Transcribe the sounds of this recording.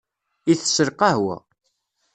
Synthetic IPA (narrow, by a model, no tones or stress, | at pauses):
iθsəɾqɑɦwæ̰